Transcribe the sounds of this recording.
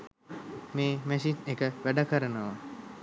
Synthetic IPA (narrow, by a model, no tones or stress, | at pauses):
meːmæsinekəʋæɖakəɾənəʋa